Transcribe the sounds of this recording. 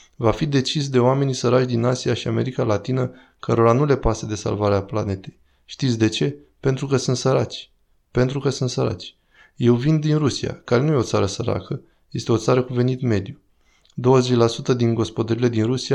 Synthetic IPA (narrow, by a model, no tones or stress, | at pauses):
vafid̪e̞t͡ʃisd̪e̞oame̞nisəɾat͡ʃd̪inasijaʃiame̞ɾikalat̪inə | kəɾo̞ɾanule̞pased̪e̞sa̰lvaɾeapla̰ne̞t̪e̞j | ʃt̪it̪sʲd̪e̞t͡ʃe̞ | pe̞nt̪ɾukəsɨnt̪səɾat͡ʃʲ | pe̞nt̪ɾukəsɨnt̪səɾa̰t͡ʃʲ | je̞wvind̪inrusia̰kaɾe̞nuje̞o̞t̪saɾəsəɾa̰kʰə | je̞st̪e̞o̞t̪saɾəkuve̞nit̪me̞d̪ju | d̪o̞wəze̞t͡ʃʲlasut̪əd̪inɡo̞spo̞d̪əɾile̞d̪inɾusia